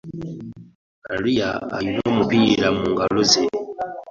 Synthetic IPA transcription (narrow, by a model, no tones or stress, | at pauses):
maɾija̰a̰jinoːmupiɾamuːŋɡaloze